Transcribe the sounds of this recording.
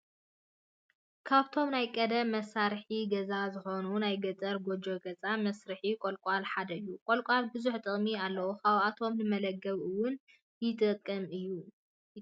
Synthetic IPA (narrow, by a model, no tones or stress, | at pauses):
kʰaβt̪ʰo̞mnajkʼɐd̪ɐmɐsaɾħiɡɐzazɨxo̞nunajɡɐt͡sʼɐɾɡod͡ʒo̞ɡɐzʼamɐsɾɨħikʷʼolkʼalħad̪ɐɨjːukʼolkʷʼalbɨzuħt̪ʼɨχʼmialːɐwokʰaβʔat̪ʰo̞mnɨmɐlɐɡːɐβɨwʊn | jɪt̪ʼɨkʼːɐmɨjːu